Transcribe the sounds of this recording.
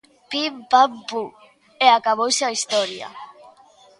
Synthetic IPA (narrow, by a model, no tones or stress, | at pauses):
pimpampu | eakaβ̞owsaist̪ɔɾja̰